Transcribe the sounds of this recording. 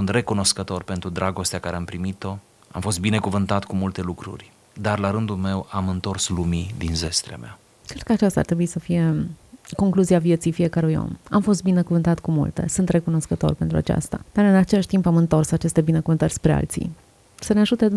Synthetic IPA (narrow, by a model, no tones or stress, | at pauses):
sunt̪re̞kuno̞skət̪o̞rpent̪ɾud̪ɾʔaɡo̞st̪eakaɾeampɾimit̪o̞ | a̰mfo̞st̪bine̞kuvɨnt̪at̪kumult̪e̞lukɾṵrʲ | d̪arlaɾɨnd̪ulme̞wamɨnt̪o̞rslumid̪inze̞st̪ɾea̰mea̰ | kɾe̞d̪kəat͡ʃast̪a̰ːrt̪ɾe̞buisəfije̞ko̞ŋkluziavje̞t̪sijfije̞kəɾujo̰mamfo̞s̬t̪binekuvɨnt̪at̪kumṵlt̪e̞̰sunt̪re̞kuno̞skət̪o̞̰rpe̞nt̪ɾua̰t͡ʃa̰st̪a̰d̪̥aɾɨnat͡ʃe̞laʃʲt̪impamɨnt̪o̞rsat͡ʃe̞st̪e̞binekuvɨnt̪ərʲspɾea̰lt̪sḭ | səneaʒut̪e